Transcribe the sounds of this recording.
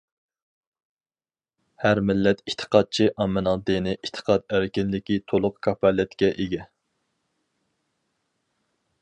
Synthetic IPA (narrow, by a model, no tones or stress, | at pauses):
hæɾmɪlːɛt̪it̪ʰə̥qʰɑd̪̚t͡ʃʰiʔɑmɨnɑŋd̪ɨnɪʔit̪ʰə̥qʰɑd̪æɾkʲinlɪkʲit̪ʰolˠʊqkʰɑpʰɑlɛt̪kʲɛʔeɡʲɛ